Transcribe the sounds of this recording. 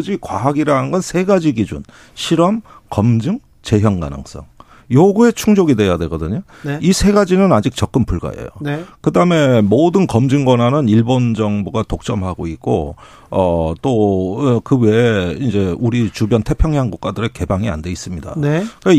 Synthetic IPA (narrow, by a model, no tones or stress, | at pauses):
d͡ʑikwaɦaɡiɾaɦɯnɡʌnsʰe̞ɡad͡ʑiɡid͡ʑṵn | ɕʰiɾʌmkʌmd͡ʑɯŋ | t͡ɕe̞ɦjʌŋɡa̰nɯ̰ŋs͈ʌ̰ŋ | joɡue̞t͡ɕʰuŋd͡ʑoɡidwe̞jadwe̞ɡʌdɯɲo | isʰe̞ɡad͡ʑinɯnad͡ʑik̚t͡ɕ͈ʌk͈ɯmpuɭɡa̰jḛjo̰kɯdaɯme̞modɯnkʌmd͡ʑɯŋɡwʌnanɯniɭbond͡ʑʌŋboɡatok̚t͡ɕ͈ʌmɦaɡoik̚k͈o̰ | ʌt͈okɯwe̞ind͡ʑe̞uɾit͡ɕubjʌntʰe̞pʰjʌŋɦjaŋɡuk̚k͈adɯɾe̞ke̞baŋia̰nde̞is͈ɯmɲida̰nke